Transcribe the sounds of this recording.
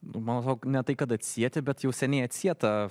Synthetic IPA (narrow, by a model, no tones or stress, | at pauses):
nʊmɑːnsɑːkonʲɛt̪ɐɪkɐt̪ɐt̪ʲsʲiɛt̪ʲɪbʲɛt̪jɛʊsʲɛnʲɛɪɐt̪ʲsʲiɛt̪ɐ